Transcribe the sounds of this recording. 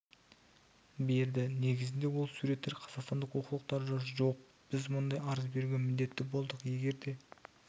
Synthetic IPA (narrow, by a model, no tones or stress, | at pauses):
be̞ɾd̪ɪne̞ɡʲɪzɪnd̪e̞wo̞lˠsuɾe̞t̪ːe̞ɾqʰɑzɑqst̪ɑnd̪əqwo̞qəlˠəq̚t̪ɑɾʒɑɾʒo̞q̚ | b̥ɪzmʊnd̪ɑjɑɾəzbe̞ɾuɡʲemɪnd̪e̞t̪ːɪbo̞lˠd̪əqje̞ɡʲe̞ɾd̪e̞